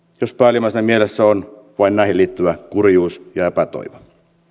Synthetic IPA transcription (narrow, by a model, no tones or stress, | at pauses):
jospæːlimæsnæmielesːæon | ʋɑinnæˑihiliːt̪ːyʋækurjuːsjɑepæt̪o̰iʋɑ